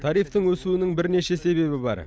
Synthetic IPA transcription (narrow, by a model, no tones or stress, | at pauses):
t̪ʰɑɾijft̪əŋwɵsuɪnɪŋbɪɾne̞ʃe̞se̞βe̞βɪbɑ̰ɾ